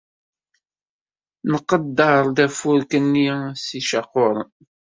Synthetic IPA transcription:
nəqːəd̪ːəɾˤd̪æfʊɾkənːisiʃɑqːoɾˤ

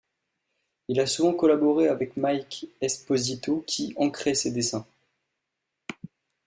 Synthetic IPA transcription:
ilasuvɑ̃kɔlabɔʁeavɛkmajkɛspɔzit̪okʲʰiɑ̃kχesed̪esɛ̃

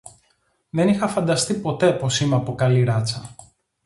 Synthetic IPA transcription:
ðe̞nixɐfɐnd̪ɐst̪ipo̞t̪e̞po̞simeɐpokɐliɾɐt͡sɐ

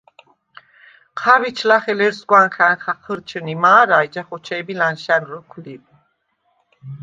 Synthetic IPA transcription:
qʰavit͡ʃʰlaχɛlɛɾsɡwanχanχaqʰəɾt͡ʃʰənimaːɾajd͡ʒaχɔt͡ʃʰɛːbilanʃanɾəkʷʰlib

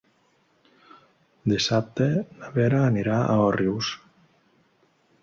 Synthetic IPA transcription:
d̪isap̚t̪enaβeɾaːniɾaa̰ɔriws

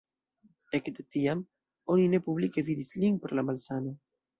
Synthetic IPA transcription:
ekd̪et̪iam | oninepuβlikeviðisliŋpeɾlamalsana

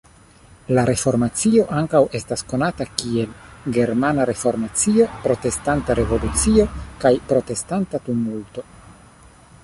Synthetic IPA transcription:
laɾe̞fo̞ɾmat͡sio̞ʔaŋkawe̞stasko̞natakie̞lɡe̞ɾmanaɾe̞fo̞ɾmat͡sio̞pɾo̞te̞stantaɾe̞vo̞lut͡siokajpɾo̞te̞stantatumulto̞

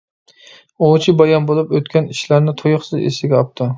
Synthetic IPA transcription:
ot͡ʃʰibɑjɑnbolˠupøt̪kʲʰaniʃlaɾnɪt̪ʰojɨχsɨzḛsɪɡʲɛɑp̚t̪ʰɪ

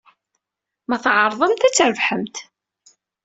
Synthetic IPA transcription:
mæθʕɑɾˤðˤəmt̪æt͡sːɾəvħəmt̪

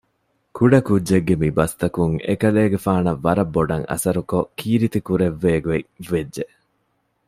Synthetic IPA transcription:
kuɖɐkudːeɡːemibɐst̪ɐkuŋḛkɐleːɡefaːnɐʋːɐɾɐbːoɖɐŋɐ̰sɐɾukokʰiːɾit̪ikuɾeʋːeːɡueʋedʒeʔ

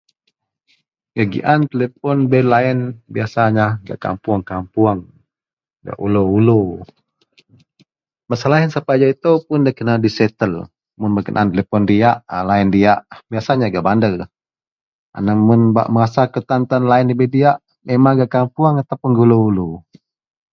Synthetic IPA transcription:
ɡaɡḭʔant̪əlepɔnbelaɛnbiasaɲaɡa̰ʔka̰mpuaŋkampuaŋ | ɡa̰ʔuloulo | masalaɦənsapad͡ʒait̪opʊndakənadisɛt̪əl | mʊnbakənʔa̰nt̪elepɔndiaʔlaɪndiaʔbiasaɲaɡaʔbandər | a̰namʊnba̰ʔməŋasakət̪ant̪anlaɪndibediaʔ | memaŋɡaʔkampuaŋat̪apunɡuuloulu

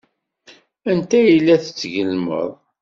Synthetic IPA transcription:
ænt̪æjəlːæθət͡sːʝəlmə̰ðˤ

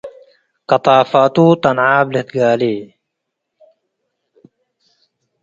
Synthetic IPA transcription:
kɑt̪ˤɑːfaːt̪uːt̪ɐnʕaːblɪt̪ɡaːliː

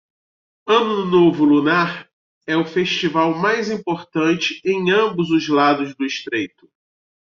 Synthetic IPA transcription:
ɐ̃nʊd̪ʊnovʊlunaɾ | ɛʊfeʃt͡ʃivawmajzĩmpoɾt̪ɐ̃t͡ʃɪẽj̃ɐ̃mbʊzʊzlad̪ʊzd̪ʊiʃt̪ɾejt̪ʊ̥

